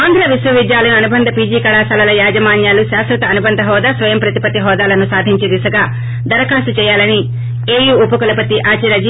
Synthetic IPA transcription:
aːnd̪ʱɾɐʋisʋɐʋid̪jaːlɐnɐnubɐnd̪ʱɐpiːd͡ʒiːkɐɭaːsɐlɐlɐjaːd͡ʒɐmaːnjaːluʃaːsɾɐt̪ɐɐnubɐnd̪ʱɐɦɔːd̪aːsʋɐjɐmpɾɐt̪ipɐt̪iɦɔːd̪aːlɐnusaːd̪ʱiɲt͡ʃid̪isɐɡaː | d̪ɐɾɐkaːsut͡ʃɛːjaːlɐni | eːjuːupɐkulɐpɐt̪iʔaːt͡ʃiɾɐd͡ʒi

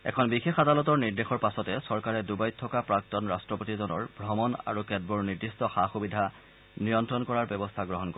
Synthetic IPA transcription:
ɛ̰kʰɔnbixexadalɔtɔɹniɹdexɔɹpasɔtɛsɔɹkaɹɛdubajtʰːɔkapɹak̚tɔnɹastɹɔpotizɔnɔɹbɹɔmɔna̰ɹukɛd̚bɔɹniɹdistɔxaxubidʱa | nijɔntɹɔnkɔɹaɹbɛbɔst̪ʰaɡɹɔɦɔnkɔ

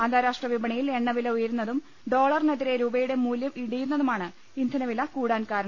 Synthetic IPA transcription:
ɐnd̪ʱaːɾaːʂʈrɐʋibɐɳɐjile̞ɳːɐʋilɐujɐɾunːɐðum | ɖo̞ːɭɐrneðiɾe̞ɾuːbɐjuɽe̞muːljɐmiɽujunːɐðumaːɳɨ | ind̪ʱɐnɐʋilɐkuːɽaːnkaːɾɐɳɐm

